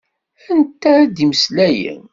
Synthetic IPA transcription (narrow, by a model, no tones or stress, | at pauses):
ænt̪ːæːd̪iməslæjə̰n